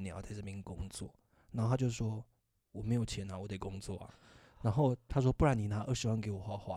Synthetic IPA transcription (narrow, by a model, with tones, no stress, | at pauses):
njʊt͡sa˥˧ɪʈ͡ʂɤ˥˩mi˧˥ŋ˧kʊ˥ŋt͡swɔ̰˥˩ | na˧˥o˥˧˩t̪ʰa˥t͡ɕjo˥˧˩ʂwɔ˥ | wɔ˨˩me˧˥ɪjo˨˩ʊt͡ɕʰjɛ˧˥na˧˨wɔ˨˦t̪e˨˩ɪkʊ˥ŋt͡swɔ̰˥˩ɐ̰˨˩ | na˧˥nxo˥˧ʊt̪ʰa˥ʂ̬wɔ˥pu˥˩ɻa˨˥ni˨˩na˧˥ʔə˞˥˩ʂɻ̩˧˥wa˧˥nke˧˥ɪwɔ˨˩xwa˥˧˩xwa˥